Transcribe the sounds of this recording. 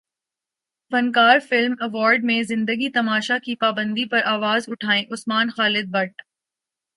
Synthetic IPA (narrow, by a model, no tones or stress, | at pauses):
fɐ̃nkaːɾfɪlmɐʋɔːɾɖmẽzɪ̃nd̪əɡit̪ɐmaːʃakipaːbə̃nd̪ipɐɾʔaːʋaːzʊʈʰaːẽʔʊsmaːnxaːlɪd̪̚bɐʈ